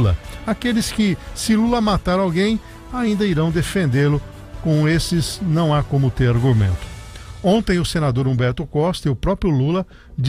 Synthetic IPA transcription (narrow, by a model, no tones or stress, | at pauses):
lɐakelɪskɪsɪlulɐmat̪aɾawɡẽj̃ | aĩnd̪ɐiɾɐ̃w̃d̪efẽnd̪elʊ | kõw̃esɪznɐ̃w̃akõmʊt̪eɾaɾɡumḛ̃nt̪ʊ̥õnt̪ẽj̃ʊsenad̪oɾõbɛɾt̪ʊkɔst̪ɐiʊpɾɔpɾjʊlulɐ | d͡ʒ